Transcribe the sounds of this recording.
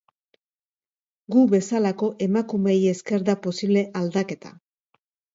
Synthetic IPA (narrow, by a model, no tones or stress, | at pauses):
ɡuβe̞salako̞ʔe̞makume̞je̞ske̞ɾðapo̞siβle̞ʔald̪ake̞t̪a̰